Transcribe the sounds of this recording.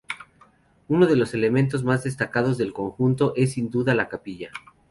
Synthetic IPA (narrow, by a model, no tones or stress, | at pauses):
uno̞ð̞e̞lo̞se̞le̞mẽ̞nt̪̬o̞zmazðe̞st̪akað̞o̞zðe̞lko̞ŋxunt̪o̞ʔe̞s̬ːind̪uðalakapiʝa